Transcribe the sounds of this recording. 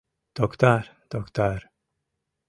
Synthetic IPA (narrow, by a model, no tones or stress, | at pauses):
d̪̥ɔkt̪aɾd̪̥ɔkt̪aɾ